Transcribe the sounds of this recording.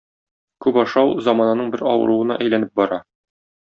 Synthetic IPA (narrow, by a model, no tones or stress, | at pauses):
kʉpɒʃɑwzɒmɑnɑnɤɴbɘɾɒ̰wɤ̰̆ɾuwɤ̆nɑ̰ʔæjlænɘp̚bɒɾɑ